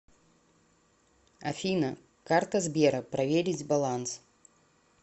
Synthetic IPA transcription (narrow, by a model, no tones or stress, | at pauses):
ɐfʲinə | kart̪əzbʲeɾəpɾɐvʲeɾʲɪtʲbɐlˠans